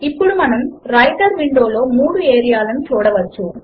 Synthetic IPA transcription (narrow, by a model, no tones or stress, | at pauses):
ipːɔɽumɐnɐmɾɐjʈɐɾʋiɳɖoːloːmuːɽɯeːɾijaːlɐmt͡ʃoːɽɐʋɐt͡ʃːu